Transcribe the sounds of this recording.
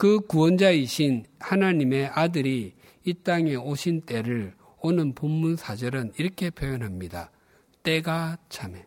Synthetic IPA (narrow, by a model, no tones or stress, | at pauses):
kɯkuwʌnd͡ʑaiɕʰinhanaɲime̞ʔadɯɾiː | t͈aŋe̞oɕʰint͈e̞ɾɯɭ | onɯnpomːunsʰad͡ʑʌɾɯniɾʌkʰe̞pʰjojonɦamɲida̰ | t͈e̞ɡat͡ɕʰame̞